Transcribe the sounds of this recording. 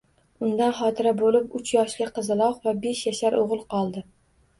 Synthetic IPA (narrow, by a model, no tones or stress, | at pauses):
ʊnd̪anχɒːt̪ʰɪɾabolɪpʊt͡ʃʰjɒʃlɪqʰɨzɪlˠɒqvabeʃjaʃaɾʔoʁɨlˠqʰɒlˠd̪ɪ